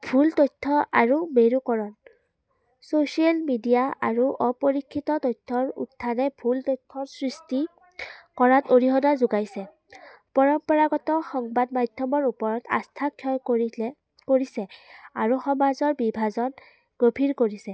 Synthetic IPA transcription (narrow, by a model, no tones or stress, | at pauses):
bʱultɔjtʰːɔʔaɹumeɹukɔɹɔn | sosialmidijaaɹuʔɔpoɹikʰːitɔtɔjtʰːɔɹṵtʰːanɛbʱultɔtʰɔsɹisti | kɔɹatoɹiɦɔnazuɡajsɛ | pɔɹɔmpɔɹaɡɔtɔxɔŋbadmadʱjɔmɔɹupɔɹɔta̰stʰakʰːjɔj | koɹisɛaɹuxɔmazɔɹbibʱazɔn | ɡ̥opʰiɹkoɹisɛ